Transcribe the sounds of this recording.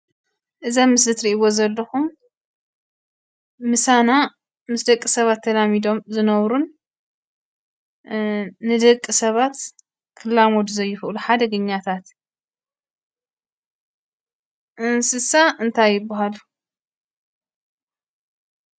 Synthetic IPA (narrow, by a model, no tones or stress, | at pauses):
ʔɨzɐmːɨszɨt̪ɾiʔβo̞zɐlːɐxum | ɨsana | mɨsd̪ɐkʼːisɐβat̪ʰːɐlamid̪o̞mzɨnɐβɾun | ɨd̪ɐkʼːisɐβat̪ | kʰɨlːamod̪uzɐjːɪxluħad̪ɐɡɨɲːat̪ʰat̪ | ʔɨnsɨsaʔɨnt̪ʰajːɪbːaɦalu